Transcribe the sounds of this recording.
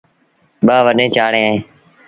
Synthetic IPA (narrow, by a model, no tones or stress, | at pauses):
ɓaːʋəɗẽːt͡ʃaːɽẽːaːɦẽː